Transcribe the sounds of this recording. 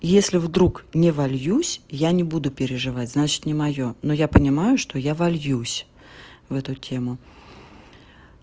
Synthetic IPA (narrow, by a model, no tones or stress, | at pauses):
jesʲlʲɪvd̪ɾuknʲɪvɐlʲjusʲjanʲɪbud̪ʊpʲɪɾʲɪʐɨvatʲznat͡ɕɪ̥t̪nʲɪmɐjo̞no̞japənʲɪmajʊʂt̪o̞javɐlʲjusʲ | vɛt̪ʊtʲʰe̞mʊ